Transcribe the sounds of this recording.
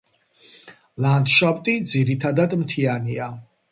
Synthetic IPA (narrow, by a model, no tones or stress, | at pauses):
land̪ʃapʼt̪ʼid̪ziɾit̪ʰad̪ad̪mt̪ʰiania